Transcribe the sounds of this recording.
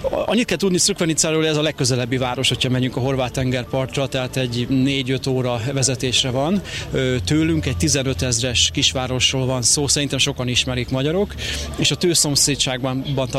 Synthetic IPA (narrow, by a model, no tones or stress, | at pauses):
ʔɒ̰ɲːit̪kɛlt̪ud̪nisøkʋɛnit̪saːɾoːɛzɒlɛkːøzɛlɛbːivaːɾo̞ʃhochɒmɛɲyŋkɒɦo̞rvaːt̪ːɛŋɡɛrpɒrt̪rɒt̪ɛɦaːt̪ɛɟneːɟø̞t̪oːɾɒvɛzɛt̪eːʃrɛvɒnøt̪øːlyŋkɛc̚t̪izɛnø̞t̪ɛzrɛʃkiʃʋaːɾo̞ʃroːlvɒnsoːsɛɾint̪ɛmʃo̞kɒniʃmɛɾikmɒɟɒɾo̞keːʃɒt̪øːso̞mseːtʃaːɡ̚bbɒnt̪